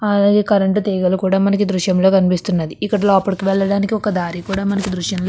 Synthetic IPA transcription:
ɐlaːɡe̞ːkɐɾeɳʈut̪ɛːɡɐlukuːɽaːmɐnɐkid̪ɾuʃjɐmlo̞ːkɐnipist̪unːɐd̪iːkːɐɽɐloːɐpːɐɽikiʋɛɭːɐɽaːnikiɔkɐd̪aːɾikuːɽaːmɐnɐkid̪ɾuʃjɐmlo

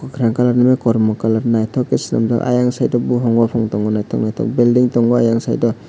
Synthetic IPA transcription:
kɔkʰɾaŋkalaɾnamekɔɾmɔkalaɾnajtʰɔkːesina̰mdɔ̰ʔa̰jaŋsajdɔbuɦɔŋbapʰɔŋtɔŋɡɔnajtʰɔ̰k̚najtʰɔ̰k̚bildiŋtɔŋɡɔajaŋsa̰jdɔ

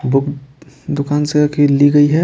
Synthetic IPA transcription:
bʊkd̪ʊkaːnseəkʰeːliɡɐiɦɛ

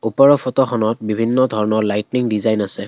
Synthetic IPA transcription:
upaɹɔpʰɔtɔxɔnɔt̚bibʱinːɔdʱɔɹɔnɔɹlajtniŋdizajnasɛ

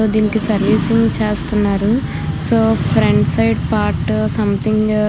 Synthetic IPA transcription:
od̪iːnikisɐɾʋiːsiŋt͡ʃeːst̪unːaːɾu | soːpʰɾeɳɖsɐjɖpaːɾʈsɐmt̪ʰiŋɡ

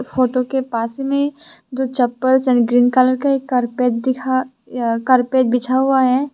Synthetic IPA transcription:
foːʈokepaːsmẽd͡ʒot͡ʃɐpːəlsɛ̃nɖɡɾiːnkaːləɾkaekəɾpeːtd̪ɪkʰa | kəɾpeːt̪̚bɪt͡ʃʰaɦuaɦɛː

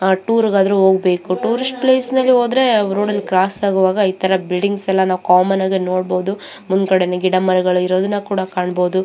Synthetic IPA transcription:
ʈuːɾɡaːd̪ɐɾuɦoːɡbe̞ːkuʈuːɾisʈ̚pleːsnɐlːio̞ːd̪ɾe̞ɾoːɽɐlːikɾaːsaːɡuʋaːɡɐiːt̪ʰɐɾɐbilɖiŋɡsɛlːɐnaːʋkaːmɐnaːɡeno̞ːɽbo̞ːd̪u | mund̪kɐɽenɐɡiɽɐmɐɾɐɡɐɭuiɾo̞ːd̪unːɐkuːɽɐkaːɳbo̞ːd̪u

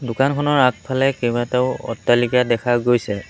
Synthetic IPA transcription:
dʊkankʰɔnɔɹak̚pʰalɛkɛbateʊɔ̰tːalikadɛkʰaɡojsɛ

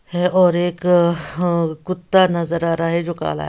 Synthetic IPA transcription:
hɛɔːɾeːk | kʊt̪ːanɐzəɾaːɾaɦɛd͡ʒoːka̰ːla̰ːɦ

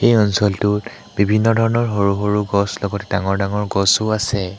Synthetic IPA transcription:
xejɔnsɔltʊ | b̥ibʱinːɔdʱɔɹɔnɔɹɦoɹuɦoɹuɡɔslɔɡɔtɛ̥daŋɔɹdaŋɔɹɡɔsʊasɛ

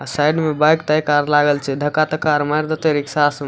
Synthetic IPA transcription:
sajɖmebajkt̪ajkaɾlaɡəlt͡ʃʰɛd̪ʱəkːat̪əkaɾmajɾd̪ət̪əɾiksas

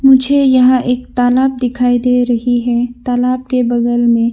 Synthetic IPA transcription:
mʊd͡ʒʱejɐɦãʔeːkt̪aːlaːb̚d̪ɪkʰaːid̪eɾɐɦiɦɛt̪aːlaːb̚kebɐdəlmẽ

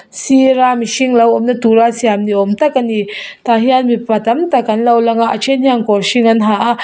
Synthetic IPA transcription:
siɾamiʃiŋlawɔmnɐt̪uɾasiamniɔmt̪akanit̪aɦianmipat̪ɐmt̪akanlawlaŋaat͡ʃʰenhiaŋkɔɾsiŋanɦaʔa

